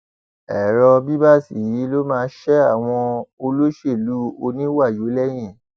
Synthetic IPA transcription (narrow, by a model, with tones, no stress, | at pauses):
ɛ˨ɾɔ˧bi˦ba˦˨si˨ji˨˦lo˦mãː˦˧˦ʃɛ˦a˦˨w̃ɔ̃˧o˧lo˦ʃe˦˨lu˨˦o˧nĩ˦wa˦˨jo˨˦lɛ˦j̃ɛ̃˦˨